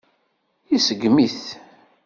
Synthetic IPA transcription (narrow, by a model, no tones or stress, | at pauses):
isəɡmiθ